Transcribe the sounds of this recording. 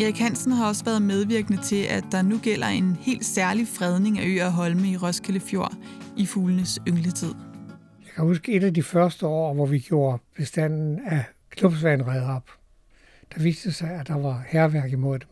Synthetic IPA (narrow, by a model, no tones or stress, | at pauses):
eʁiɡ̥hæn̰sn̩hɑ̈ɒ̽səʋæːɐð̞ˠmeð̞ˠʋiɐɡ̥ənət͡sʰe̝ʔæd̥ɑ̈nuɡ̥el̰ɐe̝nhe̝̰ːld̥sæɐlifʁɛð̞ˠne̝ŋæø̰ːæɦɒ̽lməiʁɒ̽skʰeləfjo̝ɐ̰ʔifuːlənəsøŋlət͡sʰið̞̰ˠ | jɑ̈ɪkʰæhusɡ̥əe̝dæd̥ifɶɐsd̥əɒ̰ːʋɒʋiɡ̥jo̝ːɐb̥e̝sd̥æn̰n̩æ | kʰlub̥sʋænʁɛðˠɒb̥ | d̥ɑ̈ʋḭːsd̥əsɑ̈ɪæd̥ɑ̈ʋɑ̈hæɐʋæɐ̰ɡ̥imo̝ð̰ˠd̥em